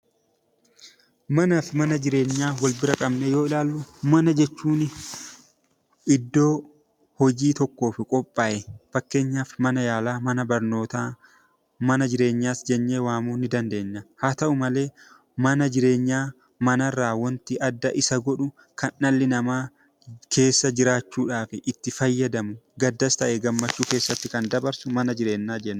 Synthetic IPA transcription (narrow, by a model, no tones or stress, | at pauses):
mɐnaːfɪmɐnɐd͡ʒɪɾe̞ːɲːaːwɐlbɪɾɐkʼɐbneːjo̞ːɪlaːlːʊmɐnɐd͡ʒɛt͡ʃːuːnɪ | ɪd̪ːo̞ː | hɔd͡ʒiːt̪ɔkːo̞ːfɪkʼɔpʼːaːʔɛfɐkːe̞ːɲːaːfmɐnɐjaːlaːmɐnɐbɐɾno̞ːt̪aː | mɐnɐd͡ʒɪɾe̞ːɲːaːsd͡ʒɛnːeːwaːmuːnɪd̪ɐnd̪e̞ːɲːɐhaːt̪ɐʔʊmɐle̞ː | mɐnɐd͡ʒɪɾe̞ːɲːaː | mɐnɐrːaːwɐnt̪ɪʔɐd̪ːɐʔɪsɐɡɔᶑʊ | kɐnːɐlːɪnɐmaː | kʰe̞ːsːɐd͡ʒɪɾaːt͡ʃːuːᶑaːfɪʔɪt̪ːɪfɐjːɐd̪ɐmʊɡɐd̪ːɐst̪ɐʔɛɡɐmːɐt͡ʃːuːke̞ːsːɐt̪ːɪkɐnd̪ɐbɐɾsʊmɐnɐd͡ʒɪɾe̞ːnːaːd͡ʒɛnː